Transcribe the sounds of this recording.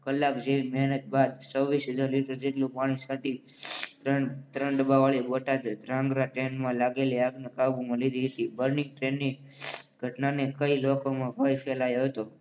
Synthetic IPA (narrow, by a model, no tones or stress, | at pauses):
kəlːakd͡ʒeimɛɦnət̪̚bad̪t͡ʃəʋisɦəd͡ʒaɾliʈəɾd͡ʒeʈlũpaɽ̃isaʈit̪ɾəɳt̪ɾəɳɖəbaʋaɭiboʈad̪ɾãŋɡɾaʈɾenmãlaɡeliaɡnəkabumãlid̪ʱiɦət̪ibəɾnɪŋɡ̚ʈɾenːiɡʱəʈnanekəilokomãbəjpʰelajoɦət̪o